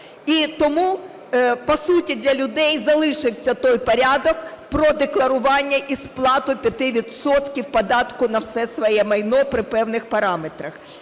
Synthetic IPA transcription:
it̪ɔmu | pɔsutʲid̪ʲlʲɐlʲʊd̪ɛjzɐlˠɪʃɪwsʲɐt̪ɔjpɔɾʲɑd̪ɔkpɾɔd̪eklˠɐɾʊʋɑnʲːɐʔisplˠɑt̪ʊpʲjɐt̪ɪʋʲid̪sɔt̪kʲiwpɐd̪ɑt̪kʊnɐwsɛsʋɔjɛmɐjnɔpɾɪpɛwnɪxpɐɾɑmet̪ɾɐx

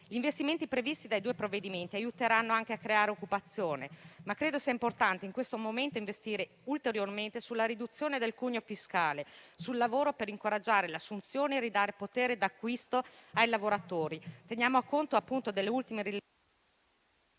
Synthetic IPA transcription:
ʎiɱvest̪iment̪ipɾevist̪id̪ajd̪uːepɾovːed̪iment̪iajut̪eɾanːoaŋk̟eakːɾeaːɾeokːupat̪sːjoːnemakːɾeːd̪osiaimport̪ant̪eiŋkwest̪omoment̪oiɱvest̪iːɾe | ult̪eɾjorment̪esulːaɾid̪ut̪sːjoːned̪elkuɲːofiskaːlesulːavoːɾopeɾiŋkoɾad͡ʒːaːɾelasːunt̪sjoːneːrid̪aːɾepot̪eːɾed̪akːwist̪oajlavoɾat̪oːɾit̪enjaːmoakːont̪oapːunt̪od̪elːeult̪imeɾi

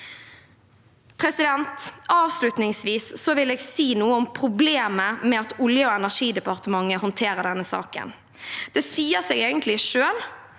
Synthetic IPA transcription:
pʰʁɛsɪd̪ɛnt̪ɑːʋslʉt̪nɪŋsʋiːsːɔʋɪleːɡsiːnuːəɔmpʰɾʊbleːməmɛɑt̪ʊljəoɛnæʂiːd̪ɛpɑʁt̪əmɑŋːəhɔnt̪ʰeːʁəd̪ɛnːəsɑ̰ːkə̰n | d̪̥ɛsiːəsɛːɡeːɡənt̪ʰlɪʂøːl

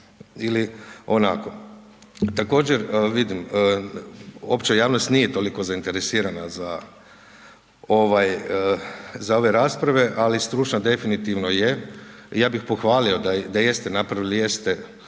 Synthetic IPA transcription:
ilio̞na̰ko̞ | t̪ako̞ːd͡ʑeɾʋid̪imə | o̞pt͡ʃajaːʋnost̪nijet̪oliko̞zaint̪e̞ɾesiːɾanaza | o̞ʋaj | zao̞ʋe̞ɾaːspɾaʋe̞ʔalist̪ɾuːt͡ʃnad̪e̞finit̪iʋno̞jejaːbixpo̞xʋaːlio̞d̪ad̪aje̞st̪enapɾaʋilije̞st̪e

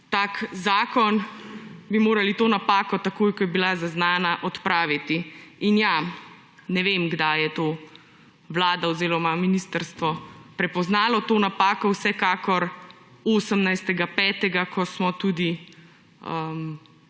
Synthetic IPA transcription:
t̪aːkzaːkɔn | bimoːɾalit̪oːnapaːkɔt̪akoːjkɔjɛbilazaznaːnaʔɔt̪pɾaːʋit̪iinja | nɛʋemɡd̪ajɛt̪oː | ʋlaːd̪awzeːlɔmaminist̪əɾst̪ʋɔpɾɛpɔznaːlɔt̪oːnapaːkɔwsɛkaːkɔɾ | oːsəmnajst̪ɛɡapɛːt̪ɛɡakɔsmɔt̪uːd̪i | əm

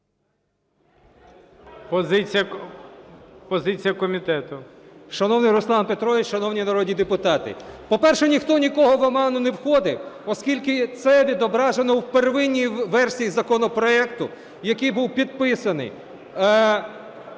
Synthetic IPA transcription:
pɔzɪt͡sʲijɐ | pɔzɪt͡sʲijɐkɔmʲit̪ɛt̪ʊʃɐnɔwnɪjɾʊslˠɑnpet̪ɾɔʋʲɪt͡ʃʃɐnɔwnʲinɐɾɔd̪ʲnʲid̪epʊt̪ɑt̪ɪ̰pɔpɛrʃɛnʲixt̪ɔnʲikɔɦɔʋɐmɑnʊnewxɔd̪ɪwɔskʲilʲkɪt̪sɛʋʲid̪ɔbɾɑʒenɔwperʋɪnʲːijʋɛrsʲijizɐkɔnɔpɾɔɛkt̪ʊ | jɐkɪjbuwpʲid̪̚pɪsɐnɪ̰j

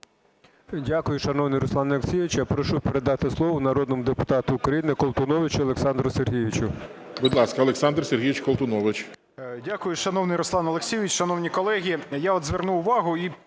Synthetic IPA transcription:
dʲakʊjʊʃɐnɔwnɪjɾɔslˠɑnɐlksʲijɪʋɪt͡ʃjapɾɔʃupeɾed̪ɑt̪ɪslˠɔʋɔnɐɾɔd̪nɔmʊd̪epʊt̪ɑt̪ʊːkɾɐjinɪkɔlˠt̪ʊnɔʋɪt͡ʃiɐlˠeksɑnd̪ɾʊserɦijʋʲit͡ʃʊbud̪lˠɑskɐlˠeksɑnd̪rserɦʲijɪt͡ʃkɔlˠt̪ʊnɔʋɪt͡ʃ | dʲakʊjʊʃɐnɔwnɪjɾɔslˠɑnɐlˠeksʲijʋʲit͡ʃʃɐnɔwnʲikɔlˠɛɦʲijaɔd̪zʋernuʊʋɑɦʊi

